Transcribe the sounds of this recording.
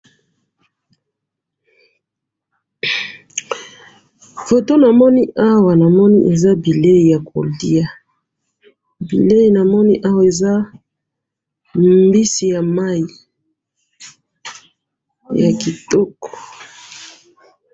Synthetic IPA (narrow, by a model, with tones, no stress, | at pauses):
fo˨to˦na˨mɔ˦ni˦ʔa˦wa˨na˨mɔ˦ni˦ʔe˨za˦bi˨le˦i˨ja˨ko̰˨li˦a˨ | bḭ˨le˦ji˨na˨mɔ˦ni˦ʔa˦wa˨e˨za˦ | mmbi˦si˨ja˨ma˦ji˨ | ja˨ki˨tɔ˦kɔ̥˨